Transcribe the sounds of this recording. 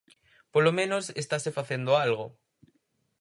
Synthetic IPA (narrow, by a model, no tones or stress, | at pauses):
polomẽnosest̪asefaθend̪oalɣo